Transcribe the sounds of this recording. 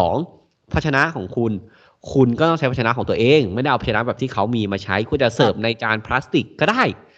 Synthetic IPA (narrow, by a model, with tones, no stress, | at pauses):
sɔː˩˦ŋ | pʰa˦˥t̚t͡ɕʰa˧na˦˥kʰɔː˩˦ŋkʰu˧n | kʰu˧nkɔː˥˩t̪ɔ˥˩ŋt͡ɕʰa˦˥pʰa˦˥a˧na˦˥kɔː˩˦ŋt̪u˧ɐ˧ʔeː˧ŋm˥˩da˥˩ʔa˧p̚ʰt͡ɕʰa˧na˦˥bɛː˨˩t̪ʰiː˥˩a˦˥wmiː˧maː˧t͡ɕʰa˦˥jkʰu˧nt͡ɕa˨˩sɤː˨˩p̚na˧jt͡ɕaː˧npʰla˦˥st̪i˨˩kːɔː˥˩daː˥˩j